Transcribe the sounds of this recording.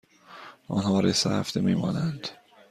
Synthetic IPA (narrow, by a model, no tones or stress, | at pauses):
ɒ̰ːnhɒːɾesæ̰hæ̰fd̪emiːmɒ̰ːnænd̪̥